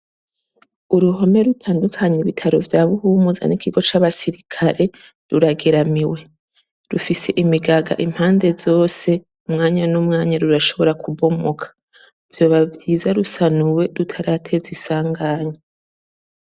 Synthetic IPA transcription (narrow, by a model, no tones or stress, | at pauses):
uɾuɦo̞me̞ɾutʰaːndukʰaɲeiβitʰaɾo̞vjaːβuhuːmuza̰nikʰiɡo̞t͡ʃaβasiɾikʰaɾe̞ | ɾuɾaɡe̞ɾamiwe̞ | ɾufise̞ʔimiɡaɡa̰ʔim̥haːnde̞zo̞ːse̞ | umŋaːɲanumŋaːɲaɾuɾaʃo̞βo̞ɾakubo̞mo̞kʰḁ | vjo̞ːβavɟiːzaɾusanuwe̞ɾutʰaɾatʰe̞zisaːŋɡaːɲe